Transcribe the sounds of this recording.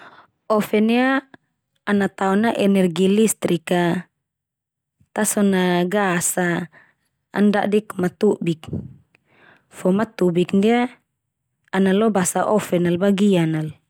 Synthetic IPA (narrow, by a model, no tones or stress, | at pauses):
ɔfɛniaː | nat̪aɔnaʔɛnɛrɡilist̪ɾika | t̪asɔnaɡasa̰ː | nda̰ʔdikmat̪ubik | fɔmat̪ubikndia | analɔbasaʔɔfɛnalbaɡianal